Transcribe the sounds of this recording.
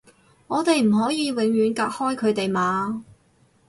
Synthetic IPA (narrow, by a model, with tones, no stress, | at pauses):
ŋɔː˨˧t̪e˨jm̩˨˩ɦɔː˨˥jiː˨˧wɪ˨˥ŋjyː˨˧nkaː˧k̚hɔː˥jkʰɵ˨˧ɥt̪e˨jmaː˨˥